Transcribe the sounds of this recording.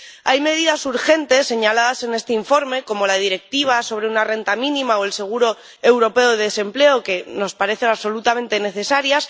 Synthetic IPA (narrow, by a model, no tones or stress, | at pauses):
ajme̞ð̞iðasuɾxe̞nt̪e̞sːe̞ɲalaðase̞ne̞st̪eiɱfo̞ɾme̞ko̞mo̞lað̞iɾe̞k̚t̪iβ̞aso̞β̞ɾe̞unare̞nt̪amĩnĩmaoe̞lse̞ɣ̞uɾo̞ | e̞wɾo̞pe̞oðeðese̞mple̞oke̞no̞spaɾe̞θe̞naβso̞lut̪amẽ̞nt̪e̞ne̞θe̞saɾjas